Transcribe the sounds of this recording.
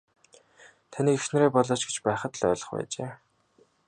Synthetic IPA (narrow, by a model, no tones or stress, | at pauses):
t̪ʰaniːkeʃnĕɾeːpɔɮɔːt͡ɕɡet͡ɕpæːχə̆t̪ɮœ̰ːɮɞ̆χpæ̰ːt͡ɕeː